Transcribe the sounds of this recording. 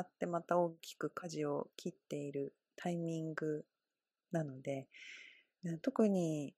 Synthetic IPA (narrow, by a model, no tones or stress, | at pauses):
at̪ːe̞mat̪ao̞ːkʲi̥kɯ̟kʰaʑio̞kʲʰit̪ːe̞iɾɯ̟ | t̪ʰaimʲĩŋɡɯ̟ | nano̞d̪e̞ | ɯ̃t̪o̞kɯ̟ɲ̟i